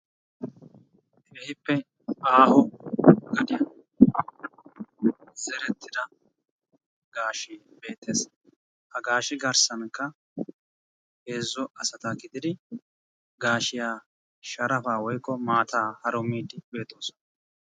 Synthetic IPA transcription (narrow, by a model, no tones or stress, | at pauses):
ehɪpːɛ | aːhɔɡɐd̪ɪjɐ | z̥ɛɾɛt̪ʰːɪd̪ɐ | ɡ̥aːʃɪbe̞ːt̪ːeːs | hɐɡaːʃɪɡɐɾsɐnkːɐ | heːzːɔɐsɐt̪akɪd̪ɪd̪ɪ | ɡaːʃɪjaː | ʃɐɾɐfaːwɔjkʼːɔmaːt̪ʰaːhɐɾɔmiːd̪ɪbe̞ːt̪ːo̞ːsɔnɐ